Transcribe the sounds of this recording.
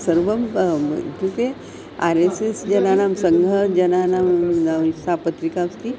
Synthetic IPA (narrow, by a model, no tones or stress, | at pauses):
səɾʋəm | k̪uke | aɾesesd͡ʑənanamsəŋɡʱəd͡ʑənanamnasapət̪ɾikask̪i